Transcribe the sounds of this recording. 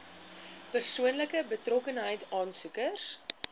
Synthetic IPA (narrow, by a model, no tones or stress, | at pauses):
pərsuənləkəbətrɔkənɦəjtɑːnsukərs